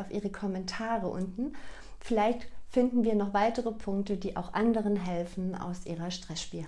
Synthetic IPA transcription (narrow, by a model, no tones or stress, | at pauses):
aʊfʔiːʁəkʰɔmɛntʰaːʁəʔʊ̰ntn̩ | fɪlaɪçtfɪndn̩viːɐnɔχv̥aɪtəʁəpʰʊŋk̚tədiːʔa̰ʊxʔa̰ndəʁənɦɛlfn̩a̰ʊsʔiːʁɐʃtʁ̥ɛsʃpiː